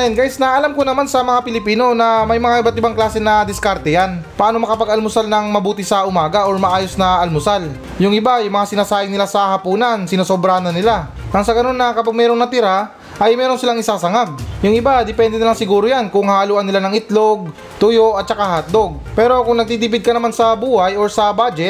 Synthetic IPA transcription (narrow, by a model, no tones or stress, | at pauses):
ɛnɡaːʔjɪsnɐʔɐlamkonɐmansɐmɐŋapɪlɪpiːno̞nɐmɐjmɐŋaʔɪbat̪ʔɪbaŋklaːsɛnɐd̪ɪskaɾt̪ɛjanpɐʔaːnomɐkɐpɐɡɐlmʊsalnɐŋmɐbuːt̪ɪsɐʔʊmaːɡɐʔoɹmɐʔaːjo̞snɐʔɐlmʊsal | jʊŋʔɪbajʊŋmɐŋasɪnaːsaːʔɪŋnɪlasɐhɐpuːnɐnsɪnɐsobɾanɐnɪla | ʔɐŋsɐɡɐno̞nːɐkɐpaɡ̚mɛːɾo̞ŋnɐt̪ɪɾa | ʔɐjmɛːɾo̞nsɪlaŋɪsaːsɐŋaɡ̚jʊŋʔɪbad̪ɪpɛnd̪ɛnɪlaŋsɪɡuːɾojankʊŋhaːluːʔɐnːɪlanɐŋɪt̪loɡ̚ | t̪ʊjoʔɐt̪̚t͡ʃɐkahɐt̪̚d̪o̞ɡ̚pɛːɾo̞kʊŋnɐɡ̚t̪id̪ɪbɪd̪̚kɐnɐmansɐbuːhɐjoɹsɐbad͡ʒɛt̪̚